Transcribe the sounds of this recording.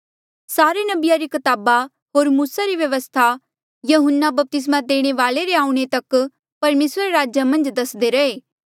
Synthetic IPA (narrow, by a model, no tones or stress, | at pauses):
saːɾenɐbɪjaɾikɐt̪aːba | ɦoːɾmuːsaɾiʋjɐʋəst̪ʰa | jɐɦənːabɐp̚t̪ɪs̬mãd̪eːɽ̃eʋaːleɾeaːũɽ̃et̪ɐk | pɐɾmeːsɾeɾaːd͡ʒamɐ̃nd͡ʒd̪ɐsd̪eɾɐeː